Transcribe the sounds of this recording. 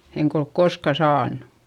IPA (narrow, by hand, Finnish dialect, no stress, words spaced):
eŋk olk korskɑ sɑːnːu̥